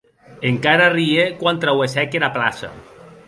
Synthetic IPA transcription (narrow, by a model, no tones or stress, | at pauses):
eŋkaɾariekwant̪ɾawesɛkenapla̰sa̰